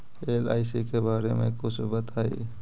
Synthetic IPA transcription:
eːlaːɪsikebaːɾemḛ̃kʊt͡ʃʰbɐt̪aːḭ

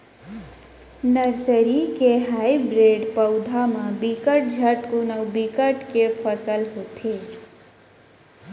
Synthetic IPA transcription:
nəɾsəɾikeɦaːibɾeːɖpəʊd̪ʱamãbikəʈ̚d͡ʒʱəʈkunəwbikəʈkepʰəsəlɦot̪ʰeː

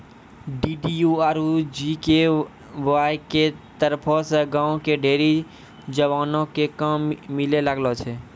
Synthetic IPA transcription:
ɖiːɖijuaːɾud͡ʒike | waːjket̪əɾpʰoseɡãːõkeɖʱeːɾi | d͡ʒəʋaːnõkekaːmːɪleləɡlot͡ʃʰeː

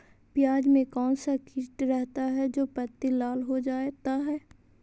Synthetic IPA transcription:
pɪjaːd͡ʒmẽkɔːnsakɪʈɾɛɦt̪aɦɛd͡ʒoːpɐt̪ːilaːlɦod͡ʒaːt̪aɦɛː

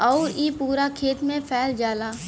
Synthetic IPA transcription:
ɔʊiːpuːɾakʰeːt̪mẽpʰɛːld͡ʒaːlaː

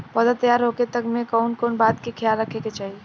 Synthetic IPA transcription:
pəd̪at̪əjaɾɦoket̪əkmẽkɔʊnkonbat̪kekʰjaɾɾəkʰeket͡ʃaːɦi

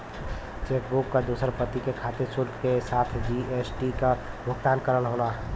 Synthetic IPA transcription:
t͡ʃeːk̚bukːad̪uːsəɾpət̪ikekʰaːt̪esʊlkkesaːt̪ʰd͡ʒiesʈikabʱʊɡt̪aːnkəɾəlɦoːlaː

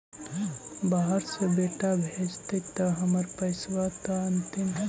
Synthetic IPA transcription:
baɦəɾsebeːʈabʱeːd͡ʒt̪ekt̪ɐɦɐməɾpɐsʋat̪aənt̪ɪm

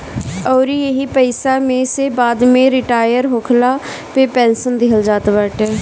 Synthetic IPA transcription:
ɔːɾiːeɦiːpəɪsaːmẽːseːbaːd̪mẽːɾɪʈaːjəɾɦoːkʰlaː | peːpɛːnsənd̪ɪɦəld͡ʒaːt̪ʋəʈ

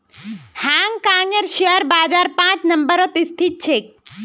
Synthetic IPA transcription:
hãŋkaːnjəɾʃeəɾbaːd͡ʒaːɾpãt͡ʃnəmbəɾot̪ist̪ʰit̪̚t͡ʃʰek̚

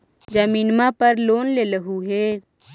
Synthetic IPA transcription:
d͡ʒəmiːnmapəɾloːnleləɦuɦeː

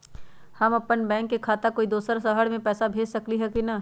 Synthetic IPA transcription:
hɐmɐpːənbɛ̃ːŋkːekʰaːt̪akoːid̪oːsəɾsəɦəɽmẽpɛːsabʱeːd͡ʒsɐkliɦɛkinɐ

